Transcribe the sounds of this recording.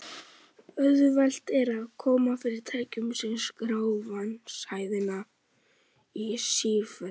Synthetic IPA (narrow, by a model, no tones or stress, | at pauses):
œðʏval̥t̪ɛɾaðkʰɔːmafɪɾɪɾ̥t̪ʰaːjcʏmsɛmskɾaːwvanshaːjðɪna | isiːfɛ